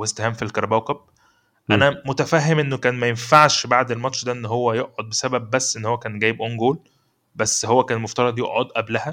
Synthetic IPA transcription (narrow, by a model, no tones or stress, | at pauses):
west̪ehæːmfilkɑɾˤbæwkɑb̚ | ʔænæmot̪æfæːɦːemʔenːokæːnmæjenfaʕʃbaʕd̪elmɑt̪ʃd̪æʔenːɦowːæjoʔʕod̪̚besæbæb̚ːæsːʔenːhowːækæːnɡæːjebʔoŋɡoːl | bæsːhowːækæːnmoft̪ɑɾˤɑd̪joʔʕod̪ʔæblæhæ